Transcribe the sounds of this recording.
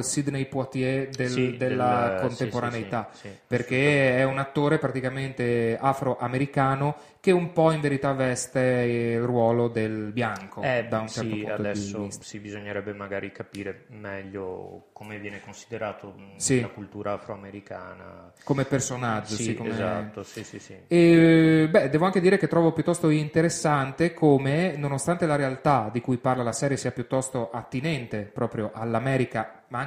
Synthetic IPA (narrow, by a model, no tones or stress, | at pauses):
lsid̪nejpuat̪jed̪eld̪elːakont̪epoɾanejt̪aiperk̟eɛunat̪ːoːɾepɾat̪ikament̪eafɾoʔameɾikaːno | keumpɔiɱveɾit̪avɛst̪eilrwɔːlod̪elbjaŋkoɛd̪aunt͡ʃɛɾɾt̪puat̪d̪ɛsiːossibizoɲːeɾɛbːemaɡaːɾikapiːɾemɛʎːo̰komevjɛːnekonsid̪eɾaːt̪ʰosilakult̪uːɾaafɾoameɾika̰ːna̰ | komepersonad͡ʒːossikːoemza̰t̪ːosisisiɛbɛd̪ɛːvoaŋked̪iːɾek̟et̪ːɾɔːvopjut̪ːɔst̪oint̪eɾesːant̪ekʰomenonost̪ant̪elaɾealt̪ad̪ikujparlalasɛːɾjesiːapjut̪ːɔst̪oʔat̪ːinɛnt̪epɾɔːpɾjoʔalːamɛːɾika | maŋ